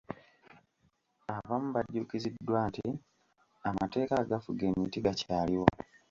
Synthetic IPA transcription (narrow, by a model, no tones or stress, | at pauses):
aβamuβaɟːukizidːwaːnti | amate̞ːkaɡafuɡenitiɡacaːliwo